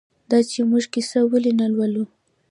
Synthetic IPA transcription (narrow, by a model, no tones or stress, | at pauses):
d̪ɑt͡ʃemuʒkisawəlinalwalu